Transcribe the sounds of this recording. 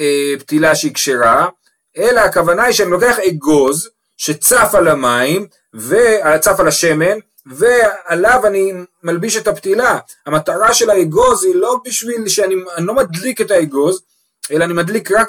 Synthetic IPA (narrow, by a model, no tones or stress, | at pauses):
ept̪ilaʃeikʃeʁa | e̞laːkavanaiʃeanilo̞ke̞aχeɡo̞z | ʃe̞t͡safalamaim | veat͡safalaʃe̞me̞n | ve̞alavanimalbiʃetaptila | hamat̪aʁaʃe̞laeɡo̞zilo̞biʃvilʃeanianilo̞mad̪liketaeɡo̞z | e̞laːnimadlikʁak